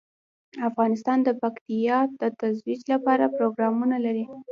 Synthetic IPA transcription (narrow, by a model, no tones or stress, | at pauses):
afɣɑnɪs̬t̪ɑnd̪əpakt̪ijɑd̪̥ət̪azwid͡ʒlapɑɾapɾoɡɾɑmunalaɾi